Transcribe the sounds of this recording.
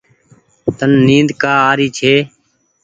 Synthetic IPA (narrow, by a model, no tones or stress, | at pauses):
t̪ənːĩːnd̪kaːaːɾiːt͡ʃʰeː